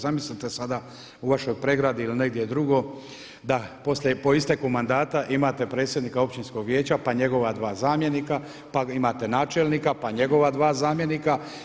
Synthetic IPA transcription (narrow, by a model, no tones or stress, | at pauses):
zamislit̪esad̪a | uʋaʃo̞jpɾe̞ɡɾad̪iiline̞ɡd̪je̞d̪ɾuɡo̞ | d̪apo̞sljepo̞ist̪e̞kumand̪aːt̪aʔimaːt̪e̞pɾe̞t̪sʲjed̪niːkao̞pt͡ɕinsko̞ɡʋjeːt͡ɕapaɲe̞ɡo̞ʋad̪ʋaːzaːmjenika | paimaːt̪e̞naːt͡ʃe̞lnikapaɲe̞ɡo̞ʋad̪ʋaːzaːmje̞nika